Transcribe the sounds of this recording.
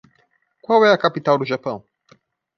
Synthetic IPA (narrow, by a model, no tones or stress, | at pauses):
kwawɛjakapitalduʒapã